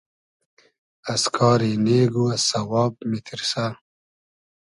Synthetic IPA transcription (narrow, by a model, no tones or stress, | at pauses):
ɐskʰɑːɾineːɡuasɐwɑːb̚mit̪ʰiɾsa